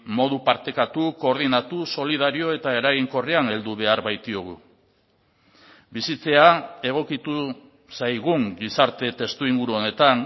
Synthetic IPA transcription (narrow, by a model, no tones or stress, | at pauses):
mo̞ð̞upaɾt̪e̞kat̪uko̞ːɾðinat̪uso̞lið̞aɾio̞e̞t̪ae̞ɾaɣiŋko̞riane̞ld̪uβ̞e̞aɾβajt̪io̞ɣ̞u | bisit͡se̞ae̞ɣ̞o̞kit̪u | sajɣ̞uŋɡisaɾt̪e̞t̪e̞st̪uiŋɡuɾuo̞ne̞t̪an